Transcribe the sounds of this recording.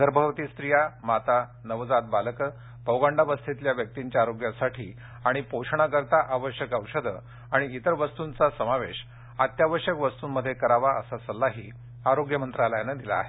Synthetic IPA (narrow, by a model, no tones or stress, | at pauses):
d̪əɾbʱəʋt̪iːst̪ɾijamat̪anəʋd͡zat̪̚baləkə | pəwɡaɳɖaʋəst̪ʰit̪ljaʋjək̚t̪iɲt͡ɕjaːɾoɡjasaʈʰḭː | aɽ̃ipoʂɳ̃akəɾt̪aʔaʋəɕjəkəwʂəd̪ʱə | aɽ̃iːt̪əɾʋəst̪unt͡sasəmaʋeɕ | at̪jaʋəɕjəkʋəst̪uːnmːəd̪ʱːjekəɾaʋaʔə̰sasəlːaɦḭː | aɾoɡjəmənt̪ɾalajanəd̪ila̰ːɦe